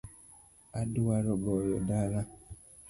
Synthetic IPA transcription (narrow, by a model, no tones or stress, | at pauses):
aduaɾɔbɔjɔdaɾa